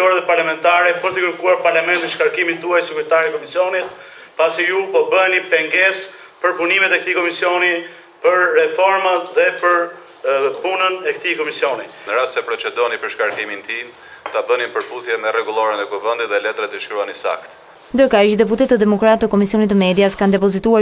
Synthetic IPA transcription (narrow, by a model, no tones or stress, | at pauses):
ɔɾɛðɛpaɾlamɛnt̪aɾɛpəɾt̪əkəɾkuaɾpaɾlamɛnt̪iʃkaɾkimit̪uajsikuɾt̪aɾikɔmisijɔnit̪ | pasijupɔbənipɛŋɡɛs | pəɾpunimɛt̪ɛk̚t̪ikɔmisjɔni | pəɾːɛfɔɾmat̪ðɛpəɾ | punənɛkt̪ikɔmisjɔninəɾast̪sɛpɾɔt͡ʃɛd̪ɔnipəɾʃkaɾkimint̪i | t̪abənipəɾpuθjɛmɛrɛɡulˠɔɾɛnɛkuvɛnd̪it̪ðɛlɛt̪ɾat̪əʃkɾuanisa̰kt̪ | nd̪əɾkaʃd̪ɛput̪ɛt̪əd̪ɛmɔkɾat̪əkɔmisiɔnit̪ːəmɛd̪jaskand̪ɛpɔzit̪ua